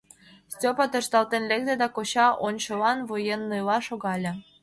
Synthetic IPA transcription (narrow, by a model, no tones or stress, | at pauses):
stʲopɑt̪ɤ̆ʃt̪ɑlt̪enlʲek̚d̪ed̪ɑkoɕɑʔonʲɕolɑnvojenːɯjlɑʃoɣɑlʲĕ